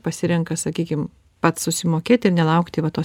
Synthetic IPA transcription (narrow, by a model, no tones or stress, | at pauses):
pɐsʲɪɾʲɛŋkɐsɐkʲiːkʲɪm | pɐt̪ssʊsʲɪmoːkʲeːt̪ʲɪrnʲɛlˠɐʊkt̪ʲɪʋɐt̪oː